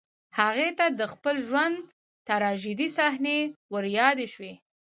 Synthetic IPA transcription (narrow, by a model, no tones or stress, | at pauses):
haɣet̪ad̪əxpəlʒwand̪ | t̪aɾɑʒid̪isahnewəɾjɑd̪eʃwe